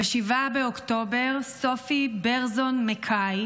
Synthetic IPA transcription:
aʃivabeokto̞be̞ʁso̞fibeʁzonmekʰaj

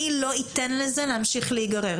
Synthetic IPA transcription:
ilo̞it̪enlezeleamʃiχleiɡaʁe

